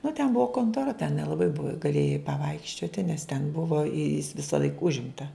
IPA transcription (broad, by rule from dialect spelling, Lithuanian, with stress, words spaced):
nʊ tʲɛn ˈbʊʋoː koːntoːˈrɐ tʲɛn nʲɛlˠɐˈbɐɪ bʊw ɡɐˈlʲeːjɛɪ pɐˈʋɐɪkʃʲt͡ʃʲoːtʲɪ nʲɛs tʲɛn ˈbʊʋoː ɪ jɪs ʋʲɪsɐˈlˠɐɪk ˈʊʒʲɪmtɐ